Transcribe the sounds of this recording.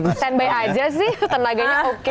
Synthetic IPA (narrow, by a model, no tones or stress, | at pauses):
sɛnbajad͡ʒas̬ɪht̪ənlaɡaɲaok